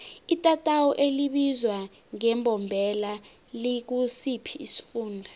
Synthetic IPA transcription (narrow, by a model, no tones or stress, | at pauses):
itʼatʼawɔʔeliɓizwa | ŋɛmbʱɔmbʱɛla | lik̬usipʰiːsi̥fuːndʱa